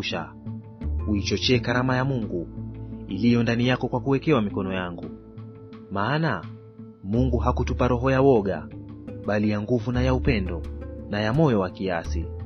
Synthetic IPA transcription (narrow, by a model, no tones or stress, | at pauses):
ʃa̰ | uit͡ʃɔt͡ʃɛːkaɾamajamuŋɡuilijɔndanijakɔkwakuwɛkɛwamikɔnɔjaŋɡu | maːna | muŋɡuɦakutupaɾɔɦɔjawɔɠa̰ɓalijaŋɡuvunajaupɛndɔnajamɔjɔwakiasi